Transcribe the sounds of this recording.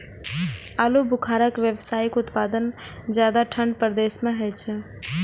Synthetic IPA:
alubukʰaɾəkʋjəbsajikut̪pad̪ən | d͡ʒjad̪aʈʰəɳɖpɾd̪esmeɦət͡ʃʰɛ

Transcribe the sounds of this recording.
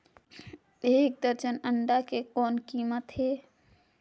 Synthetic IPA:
eːk̚d̪əɾd͡ʒənə̃ɳɖakekɔːnkiːmət̪ɦeː

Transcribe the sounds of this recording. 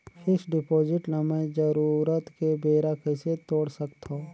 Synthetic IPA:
hɪsɖɪpoːd͡ʒɪʈnɐməjd͡ʒəɾuːɾət̪kebeːɾakɪset̪oːɽsəkt̪oː

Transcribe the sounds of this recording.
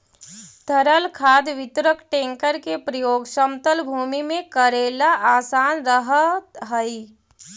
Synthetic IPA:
t̪əɾəlkʰaːd̪ʋɪt̪ɾəkʈẽːŋkəɾkepɾɐjoːɡsəmt̪əlbʱuːmimẽkəɾeːlaʔaːsaːnɾəɦət̪ɦəi

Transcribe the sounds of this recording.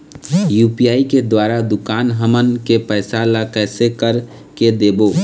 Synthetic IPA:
juːpijaːiked̪waːɾad̪ʊkaːnɦəmənkepəɪsalakɛːsekəɾ | ked̪eːboː

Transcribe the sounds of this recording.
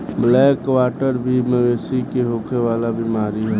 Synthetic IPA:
blɛːkwaːʈəɾbʱiməʋeːsikeɦoːkʰeʋaːlabʱimaːɾiɦɛ

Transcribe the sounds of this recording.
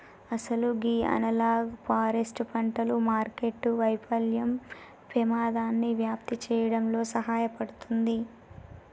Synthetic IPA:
ɐsɐluɡiːɐ̰nɐlaːɡpaːɾesʈpɐɳʈɐlumaːɾke̞ʈːuʋɐjpɐljɐm | pemaːd̪aːnːiʋjaːp̚t̪it͡ʃɛːjɐɽɐmlo̞ːsɐɦaːjɐpɐɽut̪und̪i

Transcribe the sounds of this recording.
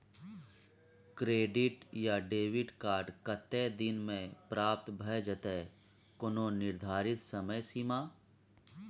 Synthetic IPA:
kɾeːɖɪʈjaɖeːʋɪʈkaːɾɖkət̪ːed̪ɪnmẽpɾaːp̚t̪bʱəd͡ʒət̪e | konõnɪɾd̪ʱaːɾɪt̪səməjsimaː

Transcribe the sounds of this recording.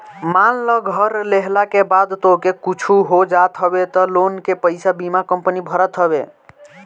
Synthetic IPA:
manləɡʱəɾleɦlakebad̪t̪oɦkekut͡ʃʰuɦod͡ʒat̪ɦəbet̪ɔlonkepəɪjsabimakəmpənibʱəɾət̪ɦəbe

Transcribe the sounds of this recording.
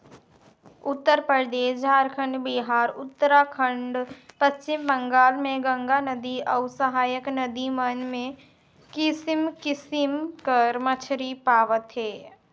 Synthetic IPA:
ʊt̪ːəɾpəɾd̪eːʃd͡ʒʱaːɾkʰə̃ɳɖbiɦaːɾʊt̪ːəɾakʰə̃ɳɖpəst͡ʃɪmbə̃ŋɡaːlmẽɡə̃ŋɡanəd̪iɐʊsəɦaːjəknəd̪imənmẽ | kɪsɪmkɪsɪmkəɾmət͡ʃʰɾipaːʋət̪ɦɛː

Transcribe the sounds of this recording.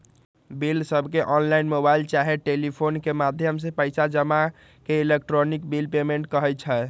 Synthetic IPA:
bilsəbʱkeʔɔnlainmobailt͡ʃaɦeʈelipʰonkemad̪ʱjəms̬ẽpəjsad͡ʒəma | keilek̚ʈɾonik̚bilpemeɳʈ̚kəɦɛt͡ʃʰə

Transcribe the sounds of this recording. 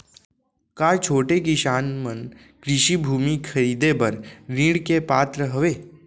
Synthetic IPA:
kaːt͡ʃʰoːʈekiʃaːnmən | kɾɪʃibʱuːmikʰəɾiːd̪epəɾɾĩːɽkepaːt̪ɾəɦəʋeː

